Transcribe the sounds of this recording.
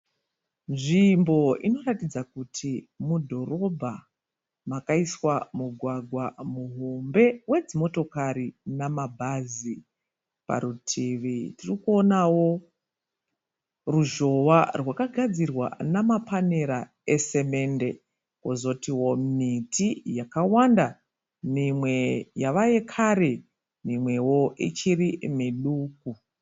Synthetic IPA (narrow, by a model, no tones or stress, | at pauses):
nʐimbo̞ino̞ratid͡zakutʰimudʱo̞ro̞bʱa | makaiswamuɡʱwaɡʱwamuɦo̞mbe̞we̞d͡zimo̞to̞kaɾinamabʱazi | pa̰ɾutʰiʋitirikuo̞nawo̞ | ruʒo̞ʋarwakaɡʱad͡zirwa̰namapʰaneɾa | ese̞me̞nde̞ | kozo̞tiwo̞mitʰijakawanda | mimwe̞jaʋaje̞kʰaɾe | mimwe̞wo̞ḭt͡ʃirimiɗuːk̚u